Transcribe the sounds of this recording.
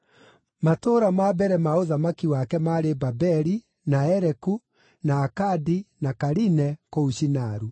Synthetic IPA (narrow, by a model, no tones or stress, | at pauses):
matoːɾamabɛɾɛmaoðamakiwakɛmaɾebabɛɾi | naɛɾɛku | naːkadinakaɾinɛkouʃinaɾu